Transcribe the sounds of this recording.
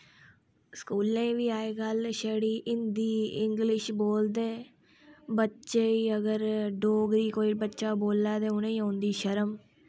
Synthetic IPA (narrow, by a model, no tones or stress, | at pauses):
skuːlẽːʋiːaːeːɡəlʃɛːɽiːʔɪnd̪iːɪŋɡlɪʃboːld̪eː | bətːʃeːiəɡəɾɖoːɡɾiːkoːibətːʃaːboːlːaːt̪eːʊnẽːõːnd̪iːʃəɾəm